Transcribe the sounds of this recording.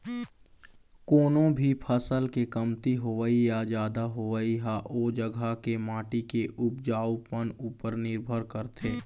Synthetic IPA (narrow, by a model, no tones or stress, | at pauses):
koːnõbʱipʰəsəlkekəmt̪iɦoʋəijazjaːd̪aɦoʋəiɦaʔoːd͡ʒəɡʱakemaːʈikeʔʊp̚d͡ʒaːwpənuːpəɾnɪɾbʱəɾkəɾt̪ʰeː